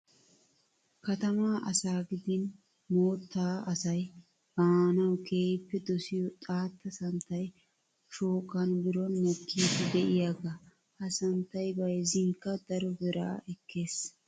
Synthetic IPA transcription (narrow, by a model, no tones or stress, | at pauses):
kɐt̪ɐmaːʔɐ̰saːɡɪd̪ɪn | moːt̪ːaːɐsɐj | b̥aːnɐwkʰe̞ːjpːɛd̪ɔsɪjɔt̪ʼaːt̪ːɐsɐnt̪ːɐj | ʃoːkʼːɐnbɪɾɔnmɔkʰːiːd̪ɪd̪ɛʔɪjaːɡa | ʔɐsɐnt̪ːɐjbɐjzɪŋkːɐd̪ɐɾɔbɛɾa̰ːʔɛkʰːe̞ːs